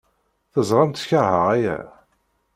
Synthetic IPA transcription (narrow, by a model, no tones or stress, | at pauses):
θəzˤɾˤɑmt̪çəɾˤhəʁæjæ̰